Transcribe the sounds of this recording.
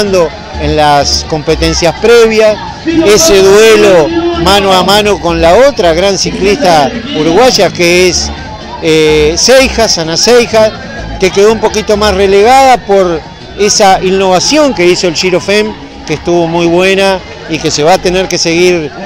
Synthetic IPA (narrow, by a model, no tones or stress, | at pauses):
nd̪o̞ | enlasko̞mpet̪e̞nsjaspɾeβjas | eseðwelomanoamãnoko̞nlaot̪ɾaɣɾansiklist̪auɾuɣwaʒakees | eːejxasanasejxas | kekeðoumpo̞kit̪o̞masreleɣaðapo̞ɾ | esainnːo̞βasjo̞ŋke̞iso̞elʃiɾo̞fem | kest̪uβo̞mujβwe̞na | ike̞se̞βaːt̪e̞neɾke̞se̞ɣiɾ